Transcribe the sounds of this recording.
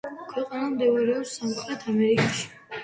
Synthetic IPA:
kʰwɛqʼanamd̪ɛɾɛɔsamχɾɛt̪ʰamɛɾikʼaʃi̥

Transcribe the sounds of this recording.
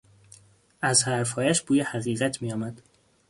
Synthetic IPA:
æzhæɾfhɒːjæʃb̥uːjehæɣiːɣæt̪ʰmijɒːmæd̪̥

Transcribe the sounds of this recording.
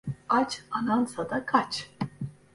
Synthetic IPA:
at͡ʃanansad̪akʰat͡ʃ

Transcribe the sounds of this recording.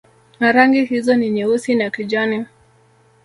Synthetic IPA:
naɾaŋɡihizɔniɲɛusinakid͡ʒani

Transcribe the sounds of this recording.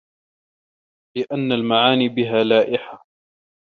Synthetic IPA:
lɪʔanːalmaʕaːniːbɪɦaːlaːʔɪħa

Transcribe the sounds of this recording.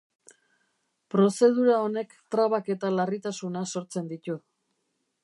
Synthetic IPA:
pɾo̞se̞ð̞uɾao̞ne̞kt̪ɾaβake̞t̪alarit̪asunaso̞ɾt͡se̞nd̪it̪u

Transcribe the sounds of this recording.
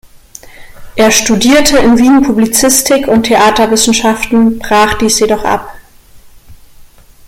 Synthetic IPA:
ʔeːɐʃtudiːɐtʰəɪnviːnpʰublit͡sɪstʰɪkʰʊntʰeʔaːtɐvɪsn̩ʃaftn̩b̥ʁaːχd̥iːsjedɔχʔa̰p

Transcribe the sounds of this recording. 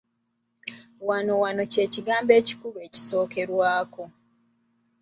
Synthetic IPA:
wano̞wano̞ce̞ːciɡaːmbe̞ːci̥kuβe̞ːci̥so̞ːke̞ɾwaːko̞

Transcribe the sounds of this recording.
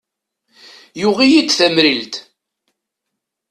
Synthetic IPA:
juʁijid̪θæmɾilt̪

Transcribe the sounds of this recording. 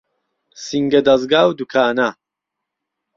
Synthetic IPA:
siŋɡɐd̪ɐzɡaːwd̪ukʰaːna

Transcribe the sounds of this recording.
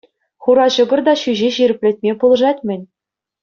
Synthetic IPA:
χuɾɑɕɤ̆ɡɤ̆rd̪ɑɕyʑeɕiɾʲɘ̆pʲlʲɘ̆t̚ʲmʲepulˠɤ̆ʐɑtʲmʲɘ̆nʲ

